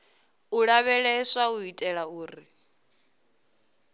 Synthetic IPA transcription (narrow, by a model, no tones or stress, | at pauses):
uɺaβɛɺɛsauɦitʼɛɺauːri